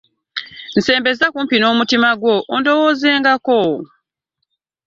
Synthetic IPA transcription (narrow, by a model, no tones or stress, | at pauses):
n̩se̞ːmbe̞zakumpino̞ːmutimaɡwo̞ʔːndo̞woːze̞ːŋɡako